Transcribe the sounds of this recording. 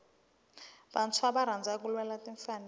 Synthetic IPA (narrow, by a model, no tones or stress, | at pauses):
ɓant͡sʰwaɓaɾand͡zʱak̬ulwɛlatʼiɱfan